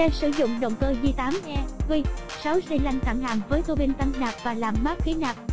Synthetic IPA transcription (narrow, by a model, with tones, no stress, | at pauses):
ɛ˧sɨ̰˧˩zʊ̰˧˨ŋ͡mɗə̰˧˨wŋ͡mkəː˧vi˨˧˩t̪aː˨˦mʔɛ˧t̪wi˧sa˨˦wsi˧la˧jŋ̟t̪ʰa˧˩ŋha̰ː˧˩ŋvəː˨˦jt̪o˧ɓi˧nt̪a˧ŋnaː˨˩p̚vaː˨˩laː˨˩mːaː˦˥k̚xi˨˦naː˨˩p̚